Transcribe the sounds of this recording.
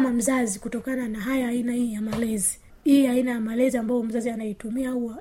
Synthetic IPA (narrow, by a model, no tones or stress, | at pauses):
mam̩zazikutɔkananaɦajaːinahiːjamalɛzi | iainajamalɛziambaɔm̩zazianaitumiaua